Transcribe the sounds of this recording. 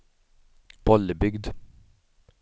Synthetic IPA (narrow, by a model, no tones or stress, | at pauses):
b̥ɔləbʏɡd̪